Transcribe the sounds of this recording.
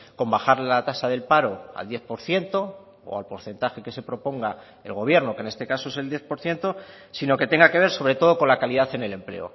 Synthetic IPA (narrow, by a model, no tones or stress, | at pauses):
ko̞mbaxaɾllat̪asaðe̞lpaɾo̞a̰ld̪je̞θpo̞ɾθje̞nt̪o̞ | o̰alpo̞ɾθe̞nt̪axe̞ke̞se̞pɾo̞po̞ŋɡa | e̞lɣo̞β̞je̞ɾnoke̞ne̞st̪e̞kasoeseld̪je̞θpo̞ɾθje̞nt̪o̞ | sino̞ke̞t̪e̞ŋɡake̞β̞e̞ɾso̞βɾe̞t̪o̞ð̞o̞ko̞nlakaliðaθe̞ne̞le̞mple̞̰o̰